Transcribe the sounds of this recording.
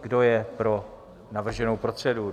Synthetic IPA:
ɡdo̞jɛpɾo̞ | navr̩ʒɛnowpɾot̪r̝̥ɛdu

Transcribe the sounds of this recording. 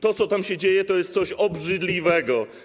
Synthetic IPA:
t̪ɔt̪sɔt̪amɕɛd͡ʑejɛt̪ɔjɛst̪sɔɕɔbʐɘd̪lʲivɛɡɔ

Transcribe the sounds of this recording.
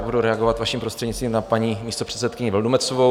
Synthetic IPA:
buduɾɛaɡovat̪vaʃiːmpɾost̪r̥ɛdɲist̪viːmnapaɲimiːst̪opr̥ɛt̪sɛt̪kɪɲɪvɛldumɛt͡sovo

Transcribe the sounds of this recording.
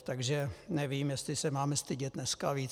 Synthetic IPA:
t̪aɡʒɛnɛviːmjɛst̪lɪsɛmaːmɛst̪ɪɟɛt̪̚nɛskaviː

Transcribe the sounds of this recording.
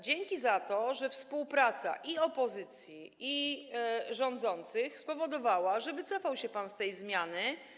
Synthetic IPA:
d͡ʑeŋkʲizat̪ɔʐɛfspuwpɾat̪sa̰ʔiɔpɔzɘt̪sʲjii | ʐɔ̃nd̪zɔnt̪sɘxspɔvɔd̪ɔvawaʐɛbɘt̪sɔfawɕɛpanst̪ɛjzmʲjanɘ

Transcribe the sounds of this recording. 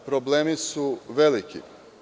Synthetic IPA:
pɾobleːmisuʋelikḭ

